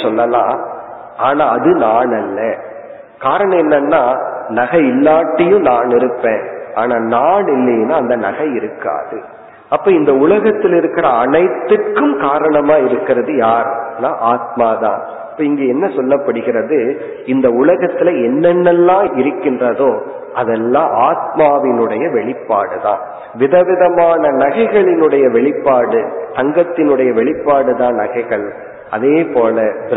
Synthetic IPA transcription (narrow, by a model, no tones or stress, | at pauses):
sɔlːɐlã̰ː | aːnaːɐðɯnaːnɐlːɐ | kaːɾɐɳɐ̃mɛnːɐnːaːnɐɣɐɪlːaːʈːɐjʊ̃naːnɪɾɯpːẽːaːnaːnaːɳɪlːɐjnaːɐnd̪ɐnɐ̰ɣɐɪɾɯkːa̰ːðɯ | ɐpːoːɪnd̪ɐʊlɐɣɐt̪ːɪlɪɾɯkːɪɾɐɐnɐɪt̪ːɯrkːɯmkaːɾɐɳɐmaːɪɾɯkːɪrɐðɯjaːɾnãːʔaːt̪̚maːðã̰ː | pːoɪŋɡeːɛnːɐsɔlːɐpːɐɽɯɣɪrɐðɯ | ɪnd̪ɐʊlɐɣɐt̪ːɪlɐɛnːɛnːɛlːãːʔɪɾɯkːɪndrɐðoː | ʔɐðɛlːãːʔaːt̪̚maːʋɪnɯɽɐjɐʋɛɭɪpːaːɽɯðã̰ː | ʋɪðɐʋɪðɐmaːnɐnɐɣɐɪɣɐɭɪnɯɽɐjɐʋɛɭɪpːaːɽɯt̪ɐŋɡɐt̪ːɪnɯɽɐjɐʋɛɭɪpːaːɽɯðãːnɐɣɐɪɣɐɭ | ʔɐ̰ðeːpoːlɐ